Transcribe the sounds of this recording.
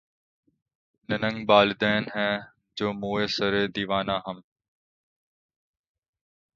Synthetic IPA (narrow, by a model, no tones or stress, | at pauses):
nɪnə̃ŋɡɓaːlɪd̪eːnɦɛ̃ː | d͡ʒoːmũːeːsəɾeːd̪iːʋaːnãːɦəm